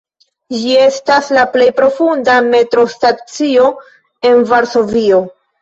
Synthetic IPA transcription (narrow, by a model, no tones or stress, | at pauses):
d͡ʒie̞staslaple̞jpɾo̞fundame̞tɾo̞stat͡sio̞ | e̞nvaɾso̞vio̞